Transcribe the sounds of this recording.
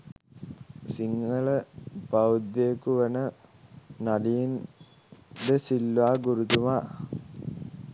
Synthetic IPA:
siŋɡəɭəpawd̪jekuʋənə | nadijin | d̪əsilʋaːɡuɾut̪umaː

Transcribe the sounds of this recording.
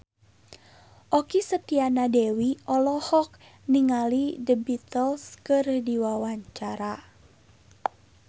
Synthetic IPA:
ʔɔkisət̪ianadewiɔlɔhɔk̚ | niŋalidəbit̪əlskɨrdiwawaɲt͡ʃaɾa

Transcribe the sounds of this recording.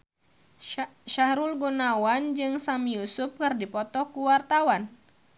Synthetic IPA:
ʃahɾulɡunawand͡ʒɨŋsamijusup̚kɨrdipɔt̪ɔkuwart̪awan

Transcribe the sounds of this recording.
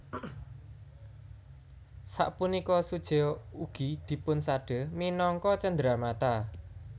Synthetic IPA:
sa̰ʔpunikɔsud̥ʒ̥e̤uɡ̥i̤d̪̥i̤pʊnsaɖ̥ə̤minɔŋkɔt͡ʃənd̪ɾamat̪a

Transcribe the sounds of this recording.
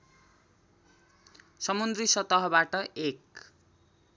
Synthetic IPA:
sʌmund̪risʌt̪ʌɦʌbaʈʌʔek

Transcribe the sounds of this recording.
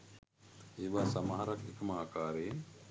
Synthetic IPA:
eʋaːsamaɦaɾakekɐmaːkaːɾeː

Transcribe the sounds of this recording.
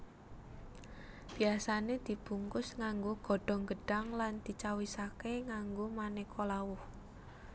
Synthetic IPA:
b̥i̤asaned̪̥i̤b̥ṳŋkʊsŋaŋɡoɡ̥ɔ̤ɖ̥ɔ̤ŋɡə̤ɖ̥a̤ŋland̪̥i̤t͡ʃawisakeŋaŋɡomanekʰolawʊh

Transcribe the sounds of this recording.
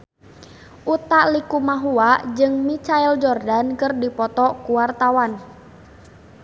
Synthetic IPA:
ʔut̪aʔlikumaɦuad͡ʒɨŋmit͡ʃaɛld͡ʒɔrdankɨrdipɔt̪ɔkuwart̪awan

